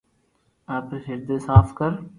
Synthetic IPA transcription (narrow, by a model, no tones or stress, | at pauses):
aːp̪ɾsɪɾd̪esaːfʰkəɾ